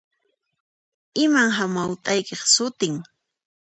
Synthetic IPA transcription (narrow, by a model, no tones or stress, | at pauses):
ɪmaŋɦamawt̪ʼajkeχsʊt̪ɪŋ